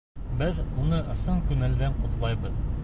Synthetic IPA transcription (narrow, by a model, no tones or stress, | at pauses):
bɘðmunɤʔɤ̆sɤɴkʉnæld̪æɴqŏt̪lˠɑjbɤð